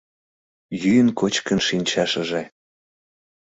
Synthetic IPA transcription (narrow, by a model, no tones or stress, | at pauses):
jyjənkot͡ɕkənʃinʲt͡ɕɑʃəʒe